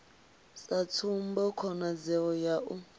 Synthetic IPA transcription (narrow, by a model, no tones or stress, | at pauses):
sat͡sʰumbɔkʰɔnad͡zɛɔjaʔu